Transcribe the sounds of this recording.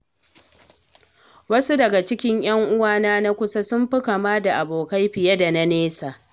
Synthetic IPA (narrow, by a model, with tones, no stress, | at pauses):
wɐ˦su˦dɐ˨ɡa˨t͡ʃɪ˦kʲɪ˦ɲj̰ɐ˦ŋʔʊ˦waː˦naː˦na˦kʷʊ˦sa˦sʊ˦mɸɪ˦ka˨maː˦da˨ʔa˨boː˨ka˦jɸɪ˨jɐ˦da˨na˦neː˦saː˨